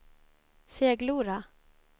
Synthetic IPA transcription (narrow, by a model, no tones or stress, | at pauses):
seːɡluːɾa